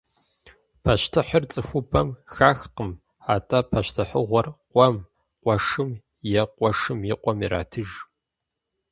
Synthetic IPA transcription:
pʰɐʃtʰɨħərt͡sʼɨxʷʊbʰɐmxaːxqəm | aːtʼɐpʰɐʃtʰɨħəʁʷɔrqʷʼɔm | qʷʼɔʂɨm | jɛqʷʼɔʂɨmjiqʷʼɔmiɾa̰ːtʰɨʒ

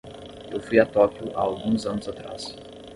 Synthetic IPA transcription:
ewfujat̪ɔkjʊʔaːwɡũzɐ̃nʊzat̪ɾa̰s

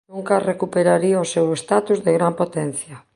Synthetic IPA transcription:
uŋkarekupeɾaɾiaosewest̪at̪uzðeɣɾampot̪ɛn̟θjɐ

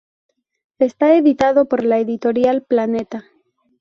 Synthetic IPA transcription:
e̞st̪aeðit̪aðo̞po̞ɾlaeðit̪o̞ɾjalplanet̪a

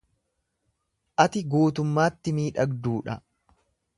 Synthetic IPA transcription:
ʔɐt̪ɪɡuːt̪ʊmːaːt̪ːɪmiːᶑɐɡd̪uːᶑɐ

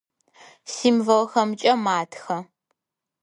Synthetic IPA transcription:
siːmvɐlxɐmt͡ʃʼɐmaːtʰxɐ

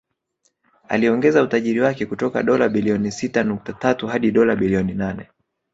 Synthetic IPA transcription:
a̰liɔŋɡɛzautaʄiɾiwakɛkutɔka̰ɗɔlaɓiliɔnisitanuk̚tatatuhaɗiɗɔlaɓiliɔninanɛ

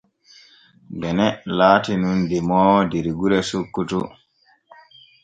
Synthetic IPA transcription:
bɛnɛlaːtinundimɔːwdeɾiɡuɾɛsokːutu

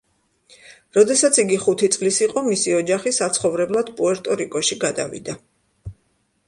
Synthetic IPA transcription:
ɾɔd̪ɛsat̪sʰiɡiχut̪ʰit̪sʼlisiqʼɔmisiɔd͡ʒaχisat̪sʰχɔvɾɛblˠad̪̥pʼuɛɾt̪ʼɔɾikʼɔʃiɡad̪a̰vḭd̪a

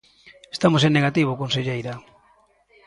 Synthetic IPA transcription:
est̪amosenːeɣat̪iβ̞ʊkonseʎejɾa

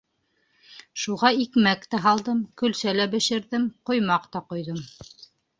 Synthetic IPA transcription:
ʃuʁɑikmækt̪æɦɑlˠd̪ɤmkɵ̆lsælæbɘ̆ʃɘ̆ɾðɘmqŏjmɑqt̪ɑqŏjðɤm

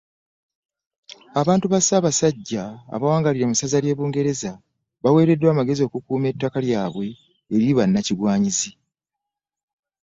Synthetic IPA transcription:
aβaːntuβasaːβasaɟːa̰ːβawaːŋɡaliɾe̞musazalje̞ːβuːŋɡe̞ɾe̞za | βawe̞ːɾe̞dːwaːmaɡe̞zio̞kukuːme̞tːakaljaːβwe̞ː | ɾiβanːaciɾwaːɲizi

